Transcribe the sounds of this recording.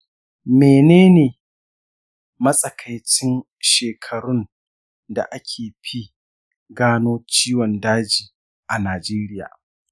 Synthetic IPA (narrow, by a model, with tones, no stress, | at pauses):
meː˨neː˦neː˨ | mɐ˦sʼɐ˨kʰa˨jt͡ʃɪ˦n | ʃeː˨kʰɐ˨ɾʊ˦n | da̰˨ʔa˦kʲʰeː˨ɸi˦ | ɡaː˦noː˦t͡ʃiː˦wɔ˨ndaː˦d͡ʒiː˨ | ʔa˨naː˨d͡ʒeː˦ɾɪ˦ja̰ː˨